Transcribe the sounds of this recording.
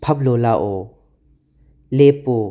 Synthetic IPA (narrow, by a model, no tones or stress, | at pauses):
pʰɐp̚lolaʔɔ | lepo